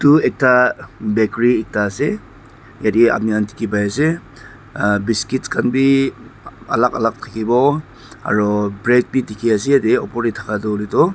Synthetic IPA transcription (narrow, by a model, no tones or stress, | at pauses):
tuek̚tabekɾiek̚tase | jaɾia̰p̚niantʰi̥kibajase | biskitskanbi | ɐ̰laka̰lak̚tʰakibɔ | a̰ɾɔbɾek̚bitikʰiasiadeɔpɔɾitʰakʰadɔlitɔ